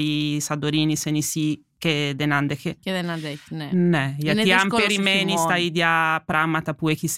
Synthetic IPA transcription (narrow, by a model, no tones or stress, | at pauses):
isad̪oɾiːnisenisi | ked̪enand̪ekeked̪enad̪ɛknɛnɛjaniampeɾimenisst̪aid̪japɾamat̪apuekis